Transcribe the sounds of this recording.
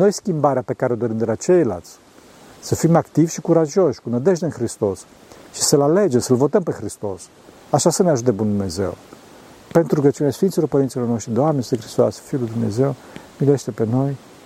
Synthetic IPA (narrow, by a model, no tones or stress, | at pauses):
no̞jskʲimbaɾeape̞kaɾeo̞d̪o̞ɾimd̪elat͡ʃe̞jla̰lt̪sʲ | səfimakt̪ivʲʃikuɾaʒo̞ʃʲkunəd̪e̞ʒd̪enxɾist̪o̞s | ʃi̥səlale̞d͡ʒemsəlvo̞t̪əmpexɾist̪o̞s | aʃasəneaʒut̪̬ebund̪umne̞ze̞̰w | pe̞nt̪ɾuɡət͡ʃiuneasfint̪silo̞rpəɾint̪silo̞rnoʂʃt̪ɾed̪ewamenst̪exɾist̪oa̰sʲfilujd̪umne̞̰ze̞w | mileʃt̪epe̞no̞j